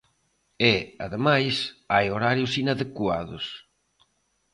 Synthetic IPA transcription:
eaðemajsajoɾaɾjʊsinaðekwaðʊ̰s

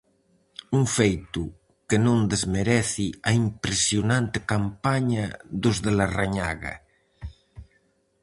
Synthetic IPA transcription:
uɱfejt̪u | kenõnd̪ezmeɾɛθiaimpɾesjunãnt̪ekampaɲaðuzðelaraɲa̰ɣa̰

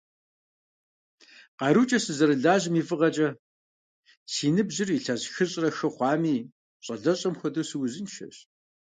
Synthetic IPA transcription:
qɑɾut͡ʃʼɐsɨzɐɾɨɮaːʑmiːfɨʁɐt͡ʃʼɐ | sʰiːnɨbʑɪriɬɐʑxɨɕʼrɐxɐχʷɑːmiː | ɕʼɐɮɐɕʼɐmxʷɔdɨsɨwzɨnʃɐ̰ɕ

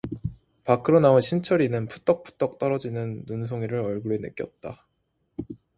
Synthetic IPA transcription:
pakʰɯɾonaunɕʰint͡ɕʰʌɾinɯnpʰu̥t͈ʌk̚pʰu̥t͈ʌk̚t͈ʌɾʌd͡ʑinɯnːuns̬ʰoŋiɾɯɾʌɭɡuɾenɯ̰k͈jʌt̚t͈a

